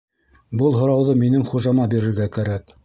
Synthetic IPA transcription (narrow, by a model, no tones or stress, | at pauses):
bɤlˠɦŏɾɑwðɤminɘŋχuʒɑmɑbiɾɘ̆ɾɡækæɾæk